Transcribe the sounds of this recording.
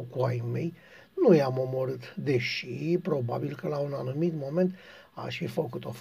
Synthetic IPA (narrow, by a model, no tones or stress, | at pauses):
kuajmej | nujamo̞mo̞ɾɨt̪d̪e̞ʃipɾo̞ba̰bilkəlaunanumit̪mo̞me̞nt̪ | a̰ʃfifəkut̪o̞f